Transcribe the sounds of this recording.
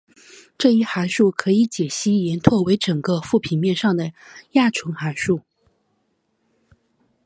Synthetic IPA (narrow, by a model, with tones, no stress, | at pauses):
ʈ͡ʂɤ˥˧i˥˩xa˧˥ɪʂu˥˩kʰɤ˧˥i˧˥t͡ɕjɛ˨˩ɕi˥jɛ˧˥nt̪ʰwɔ˥˩we˧˥ɪʈ͡ʂɤ˨˩ŋkə˦˧fu˥˩pʰi˨˩nmjɛ˥˧nʂɑ˥˩ŋd̪ə˩ja˥˩ʈ͡ʂʰwɤ˧˥ŋxa˧˥ɪʂu˥˩